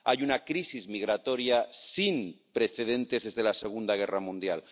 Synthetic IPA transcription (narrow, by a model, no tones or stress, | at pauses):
ajunakɾisizmiɣ̞ɾat̪o̞ɾjasimpɾeθe̞ðẽ̞nt̪e̞zðe̞zðe̞laseɣ̞und̪aɣ̞eramũnd̪jal